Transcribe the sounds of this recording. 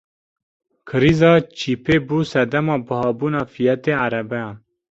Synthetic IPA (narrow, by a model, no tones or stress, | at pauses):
kʰɨɾizɑːt͡ʃʰiːpʰeːbuːsɛd̪ɛmɑːbɨhɑːbuːnɑːfijɛt̪eːaɾɛbɛjɑ̃n